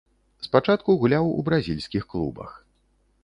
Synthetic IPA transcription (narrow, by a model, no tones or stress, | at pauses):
spat͡ʂat̪̚kuɣulʲawṵbɾazʲilʲsʲkʲixklˠṵbɐ̰x